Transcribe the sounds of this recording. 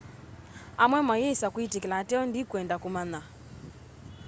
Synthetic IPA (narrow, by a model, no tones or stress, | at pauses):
amwɛmajɛsakuitikilatɛɔndikwɛndakumana